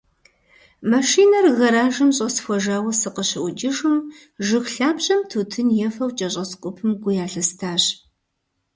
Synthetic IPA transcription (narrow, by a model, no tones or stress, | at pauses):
mɐʂiːnɐrɣɐɾaːʒɨmɕʼɐsxʷɔʒaːwɐsɨqəɕɪʔʷʊd͡ʒɪʒɨm | ʒɨxɬaːbʑɐmtʰuːtʰɨnjɛfɐwt͡ʃʼɐɕʼɐsqʷʼʊpʰɨmɡʷʊjaːɬɐstʰaːɕ